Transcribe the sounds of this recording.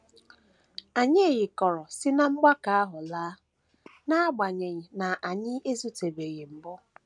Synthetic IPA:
a˨ɲe˦e˨ɣɪ˨kɔ˨ɾɔ˨sɪ˦na˦ŋ͡m̩˦ɡ͡ba˦ka˨a˦ɦʊ˨laː˦ | na˦a˦ɡ͡ba˨ɲe˨ɲɪ˨na˨ʔa˨ɲɪ˦e˦zu˦te˨be˨ɣɪ˨m̩˨bʊ˦

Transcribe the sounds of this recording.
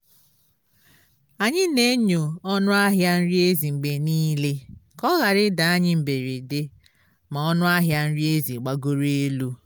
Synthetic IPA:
a˨ɲɪ˦ne˦ɲo˨ɔ˦nʊ˦a˦ɦja˦n̩˦ɾi˦e˦zi˨ŋ͡m̩˨ɡ͡be˨niː˦le˦kɔ˦ɣa˨ɾɪ˦da˨a˦ɲɪ˦m̩˨be˨ɾe˨de˦ | ma˨ɔ˦nʊ˦a˦ɦja˦n̩˦ɾi˦e˦zi˨ɡ͡ba˦ɡo˦ɾe˦lu˦

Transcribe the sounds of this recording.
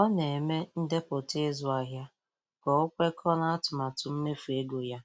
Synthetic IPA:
ɔ˦ne˨e˨me˦n̩˦de˦po˨te˦zʊ˨a˨ɦja˦ | ɡ̥ɔ˨ʊ˦kʷe˦kʰɔ˦na˦a˦tʊ˨ma˨tʊ˨m̩˦me˦fu˨e˦ɡo˨ja˦

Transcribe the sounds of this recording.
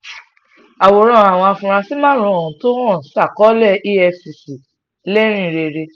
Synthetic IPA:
a˨wo˨ɾ̃ɔ̃˦˨a˨w̃ɔ̃˧a˧fũ˧ɾ̃ã˧si˦mã˦ɾũ˧˦o˨ũ˨˦to˦hɔ̃˦˨˦sa˦˨kɔ˦lɛ˦˨i˦ɛ˧si˨si˨ | lɛ˦ɾ̃ĩ˦˨ɾe˧ɾe˧

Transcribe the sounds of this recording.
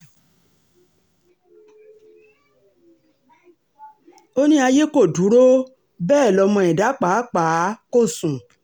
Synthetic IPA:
o˦nĩ˦a˧je˦ko˦˨du˨˦ɾo˦ | bɛː˦˨lɔ˧˦mɔ̃˧ɛ˨da˨˦k͡pa˨˦k͡pa˨˦ko˦˨sũ˨

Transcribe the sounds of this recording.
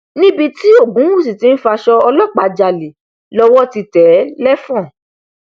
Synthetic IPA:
nĩ˦bi˧ti˦o˦˨ɡũ˨˦wu˦˨s̬i˨ti˨˦n̩˦fa˧ʃɔ˧ɔ˧lɔ˦˨k͡pa˧d͡ʒa˧le˨ | lɔ˧wɔ˦ti˧tɛ˨˦lɛ˦fɔ̃˦˨

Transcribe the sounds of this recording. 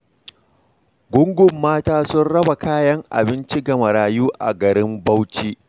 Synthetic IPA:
ɡʷʊ˦ŋɡʷʊ˨mːaː˦taː˦sʊ˦nɽɐ˦ba˨kaː˦jɐ˦ŋʔa̰˨bɪ˦nt͡ʃi˦ɡɐ˨ma˨ɽaː˨juː˦ʔa̰˨ɡɐ˨ɾɪ˦mbɐ˦wt͡ʃiː˦

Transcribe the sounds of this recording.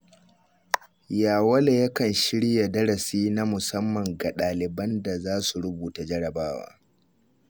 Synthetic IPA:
jaː˨wɐ˦la˨jɐ˦kɐ˨nʃɪ˦ɽja˨dɐ˦ɽɐ˨siː˦na˦mʊ˨sɐ˦mːɐ˨ŋɡa˨ɗaː˨lɪ˨bɐ˦nda˨zaː˦su˨ɽʊ˦buː˨ta˨d͡ʒɐ˦ɽɐ˨baː˦wa̰ː˦

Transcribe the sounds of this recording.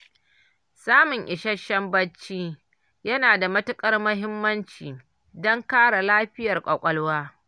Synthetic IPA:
saː˦mʊ˨ŋʔɪ˨ʃɐ˦ʃɐ˦mbɐ˦t͡ʃːiː˦ | jɐ˦naː˨da˨mɐ˦tʊ˦kʼɐ˦rmɐ˦ɦɪ˦mːɐ˦nt͡ʃiː˨ | dɔ˦ŋkaː˦ɽa˨laː˦ɸɪ˦jɐ˨rkʷʼɐ˨kʷʼɐ˦lwaː˦

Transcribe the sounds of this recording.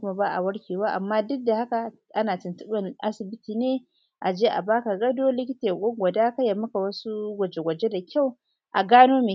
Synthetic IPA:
kʷʊ˦ma˦baː˦ʔa̰˨wɐ˦ɽkʲeː˨waː˦ʔa˨mːaː˦dʊ˦dːa˨ha˦ka˨ | ʔa˦naː˨tɪ˨ntʊ˦ɓɐ˦nʔa˦sɪ˨bɪ˦tiː˨neː˦ | ʔa˨d͡ʒeː˦ʔa̰˨baː˦ka˨ɡɐ˦doː˦lɪ˦kʲɪ˦teː˨kʷʼɔ˦ŋɡʷɐ˨daː˦ka˦ja˨mːɐ˦ka˨wɐ˦su˦ɡʷɐ˨d͡ʒe˨ɡʷɐ˨d͡ʒe˦da˨kʲʰa˦˨w | ʔa˨ɡaː˦noː˦me˨

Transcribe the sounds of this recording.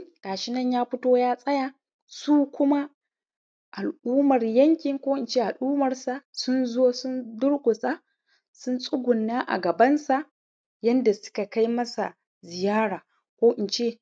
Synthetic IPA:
kʼaː˨ʃɪ˦nɐ˦ɲjaː˦ɸʊ˦toː˦jaː˦sʼɐ˦ja˨ | suː˦kʷʊ˦ma˦ | ʔa˨lʔuː˦mɐ˨rjɐ˦ŋkʲɪ˨ŋkʷoː˦ʔɪ˨nt͡ʃeː˦˨ʔa˨lʔuː˦mɐ˨rsa˨sʊ˦nzoː˦sʊ˦ndʊ˦ɽkʷʊ˨sʼa˦ | sʊ˦nsʼʊ˦ɡʷʊ˨nːaː˦ʔa̰˨ɡɐ˨bɐ˦nsa˨ʔ | jɐ˦nda˨sʊ̥˦ka˨ka˦jmɐ˦sa˨ | zɪ˨jaː˦ɽaː˨ | kʷoː˦ʔɪ˨nt͡ʃe˦˨

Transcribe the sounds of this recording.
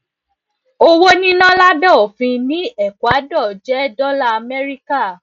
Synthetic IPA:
o˦wo˦nĩ˦nã˦la˦dɔ˦˨o˨fĩ˧nĩ˨˦ɛ˦˨kʷwa˨˦dɔ˦˨d͡ʒɛ˨˦dɔ˦la˦a˧mɛ˦ɾi˦ka˦˨

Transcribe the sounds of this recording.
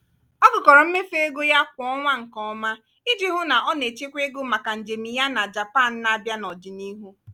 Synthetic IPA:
ɔ˦ɡʊ˨kɔ˨ɾɔ˨m̩˦me˦fe˦e˦ɡo˦ja˦kʷʊ˨ɔ˦ŋʷa˦ŋ̩˨kɔ˨ɔ˦ma˦ | ɪ˦d͡ʒi˦ɦʊ˦na˨ʔɔ˦ne˨t͡ʃe˦kʷe˦ɡʊ˦ma˨ka˨n̩˨d͡ʒe˨mi˨ja˦na˨d͡ʒa˨pa˦˨n̩˦na˦a˦˨bja˦nɔ˨d͡ʒɪ˨ni˦ɦu˦

